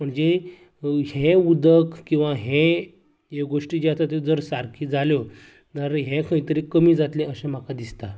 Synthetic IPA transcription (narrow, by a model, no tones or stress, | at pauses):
m̤əɳd͡ze | ɦẽud̪əkkːĩw̃ʋaɦɛ̃ | ekɡoʂʈiːd͡ʑat̪at̪od͡zəɾsaɾkʰiːd͡zaljo | t̪əɾɦɛ̃kʰəĩt̪əɾikəmiːd͡zat̪lẽəɕẽm̤akad̪ist̪a